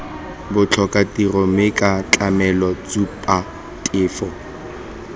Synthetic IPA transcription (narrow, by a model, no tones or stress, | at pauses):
bʊt͡ɬʰɔkʼatiromɪkʼat͡ɬʼamɛlɔt͡supʼa | tʼɪːfɔ